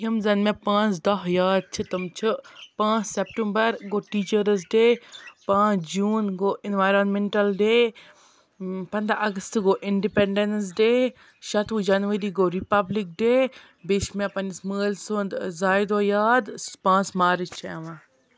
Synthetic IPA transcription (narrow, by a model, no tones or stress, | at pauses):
jimzɐnmẽpãːt͡sd̪ɐɦjaːd̪̚t͡ʃʰɨt̪ɐmt͡ʃʰɨpãːt͡ʃsep̚ʈəmbɐɾɡoːʈiːt͡ʃəɾəs̬ɖeːpãːd͡ʒuːnɡoːinʋaːjɾonmeɳʈɐlɖeː | pɐnd̪aʔɐɡɐst̪ɡoːʔiɳɖipeɳɖens̬ɖeː | ʃɐt̪ʋud͡ʒɐnʋɐɾiːɡoːɾipɐblik̚ɖeː | beʃmẽpɐnisməːlsond̪zaːjd̪oːjaːd̪pãːt͡smaːɾt͡ʃʰɛʋã